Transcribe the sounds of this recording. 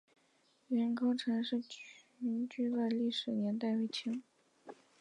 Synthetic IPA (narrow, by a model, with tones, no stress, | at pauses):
ɥɛ˧˥nkʰo˥ʊʈ͡ʂʰɤ˧˥ŋʂɻ̩˥˩ | y˧˥nt͡ɕy˥˧wa˥˧ɪli˥˩ʂɻ̩˨˩njɛ˧˥nt̪a˥˧ɪwe˥˩t͡ɕʰi˧˥ŋ